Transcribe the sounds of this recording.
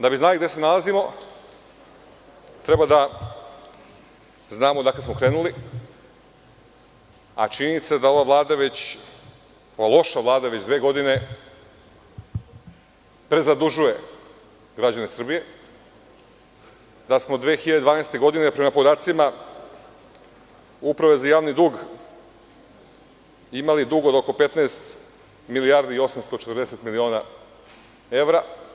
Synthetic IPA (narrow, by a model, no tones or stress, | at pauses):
d̪abiznaliɡd̪ese̞nalazimo̞ | t̪ɾe̞bad̪a | znaːmod̪aklesmo̞kɾe̞ːnuli | a̰t͡ʃininit̪sed̪ao̞ʋaʋlˠaːd̪aʋe̞t͡ɕ | oʋalˠo̞ʃaʋlˠaːd̪aʋe̞d͡ʑd̪ʋeːɡo̞d̪ine̞ | pɾe̞zad̪uʒuje̞ | ɡɾad͡ʑane̞sr̩bije̞ | d̪asmo̞d̪ʋeːxiʎad̪ed̪aːnajst̪e̞ɡo̞d̪inepɾe̞mapo̞d̪aːt̪sima | upɾaʋe̞zajaːʋnid̪uːɡ | imalid̪uːɡod̪oko̞pe̞t̪naːst̪ | milijaɾd̪iio̞samst̪o̞t͡ʃet̪ɾd̪ese̞t̪milio̞ːna | e̞vɾa